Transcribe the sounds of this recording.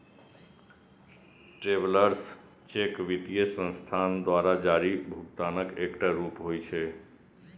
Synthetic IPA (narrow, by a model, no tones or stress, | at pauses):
ʈɾeʋləɾs | t͡ʃekʋit̪ijəsə̃nst̪ʰand̪ʋaɾad͡ʒaɾibʱukt̪anəkekʈaɾupɦojt͡ʃʰe